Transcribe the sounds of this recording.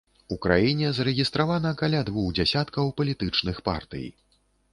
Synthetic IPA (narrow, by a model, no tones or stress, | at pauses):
ukɾajinʲɛzɐɾɛɣʲist̪ɾavanɐkalʲad̪vuɣd͡zʲasʲat̪kɐwpɐlʲit̪ɨt͡ʂnɨxpa̰rt̪ɨ̰j̰